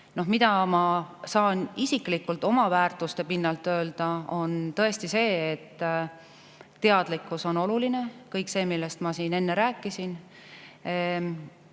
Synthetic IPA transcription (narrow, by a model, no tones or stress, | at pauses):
no̞ɦmid̪̥ɑmɑsɑːnisiklikːult̪ːˑo̞mɑvæːrt̪ˑust̪e̞pinːɑlt̪ø̞ːld̪̥ɑo̞nt̪ɤ̞e̞st̪ise̞ːet̪ː | e̞ɑd̪̥likːˑuso̞no̞luline̞kɤjkse̞ːmilːe̞st̪mɑsiːne̞nːe̞ɾæːkːˑisin